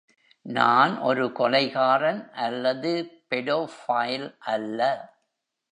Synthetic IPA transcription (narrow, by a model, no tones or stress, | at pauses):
naːnʔɔ̰ɾɯkɔlɐɪɣaːɾɐnʔɐlːɐðɯpɛɽoːfaːjlʔɐlːɐ